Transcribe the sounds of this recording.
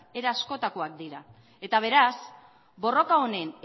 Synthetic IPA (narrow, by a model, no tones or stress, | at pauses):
e̞ɾaasko̞t̪akoakd̪iɾa | e̞t̪aβ̞e̞ɾas | bo̞ro̞kao̞ne̞n